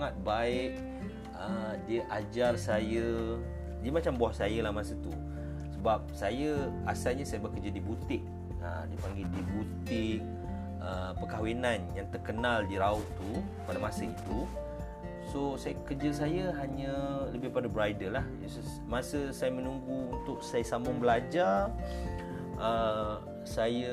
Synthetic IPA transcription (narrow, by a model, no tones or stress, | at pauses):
ŋat̪̚baɪʔ | ədiəʔad͡ʒarsajə | diəmat͡ʃambaahsajəlahmasət̪u | səbap̚sajəasalɲəsajəbəkəd͡ʒadibut̪ɪʔ̚ | ədipaŋɡɪldibut̪ɪk̚ | əpəkawinanjaŋt̪ərkənaldiɾaʊt̪ːu | padamasəit̪u | sosajəkərd͡ʒəs̬ajəɦaɲələbɪhpadəbəɾajdəlah | s | masəsajəmə̃nuŋɡuunt̪ʊk̚sajəsamʊŋbəlad͡ʒar | ə | sajə